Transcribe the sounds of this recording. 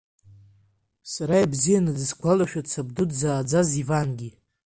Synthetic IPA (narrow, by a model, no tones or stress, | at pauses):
saɾajbzijanazɨsɡʷʰalaʃᶣatt͡sʰab̚dudzaːd͡zazivanɡʲi